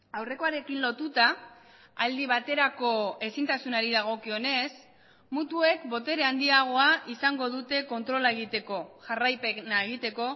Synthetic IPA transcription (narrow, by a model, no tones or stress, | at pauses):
awre̞ko̞aɾe̞kinlo̞t̪ut̪a | ald̪iβ̞at̪e̞ɾako̞e̞sint̪asunaɾiðaɣ̞o̞kione̞s | mut̪ue̞kbo̞t̪e̞ɾeand̪iaɣ̞o̞aʔisaŋɡo̞ðut̪e̞ko̞nt̪ɾo̞lae̞ɣ̞it̪e̞ko̞ʝarajpe̞naeɣit̪e̞ko̞